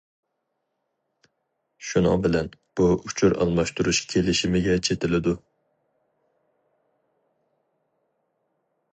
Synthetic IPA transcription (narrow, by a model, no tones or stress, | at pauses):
ʃunɑ̰ŋbɪlɛnb̥uut͡ʃʰuɾɑ̰lˠmɑʃt̪uɾuʃkʲʰelɪʃimɪɡʲɛt͡ʃʰet̪ʰɪlɪd̪u